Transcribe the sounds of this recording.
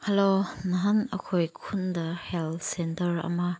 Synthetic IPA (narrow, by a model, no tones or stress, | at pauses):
hɛlonɐɦɐnɐkʰojkʰund̪ɐhɛlsɛntərɐ̰ma